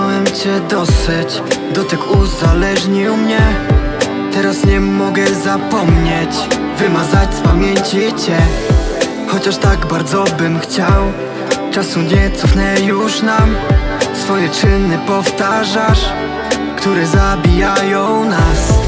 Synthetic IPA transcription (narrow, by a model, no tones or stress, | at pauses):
awɛmt͡ɕɛd̪ɔsɘt͡ɕ | d̪ɔt̪ɛkʰuzalɛʐɲiwmɲɛ | t̪ɛɾasɲɛmɔɡɛzapɔmɲeɛt͡ɕ | vɘmazat͡ɕspamʲjeɲt͡ɕit͡ɕɛ | xɔt͡ɕaʂt̪aɡbaɾd̪zɔbɘmxt͡ɕaw | t͡ʂasuɲɛt̪sɔfnɛjuʂnamsfɔjɛt͡ʂɘnɘpɔft̪aʐaʂ | kt̪uɾɛzabʲijajɔ̃w̃nas